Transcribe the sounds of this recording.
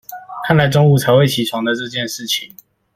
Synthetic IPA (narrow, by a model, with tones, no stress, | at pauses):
kʰa˥˩nla˨˥ɪʈ͡ʂo˥ŋu˥˩t͡sʰa˧˥ɪwe˥˩ɪt͡ɕʰi˨˥ʈ͡ʂʰwɑ˧˥ŋd̪ə˧ʈ͡ʂɤ˥˧t͡ɕjɛ˥˧˨nʂɻ̩˥˩t͡ɕʰi˨˦ŋ